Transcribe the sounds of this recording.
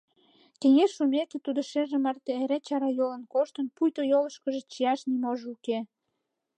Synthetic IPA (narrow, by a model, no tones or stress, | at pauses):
keŋeʃumeket̪ud̪ŏʃeʒĕmɑrt̪eeɾet͡ɕɑɾɑjolə̆nkoʃt̪ə̆npujt̪ojoləʃkə̆ʒe̽t͡ɕijɑʃnimoʒuke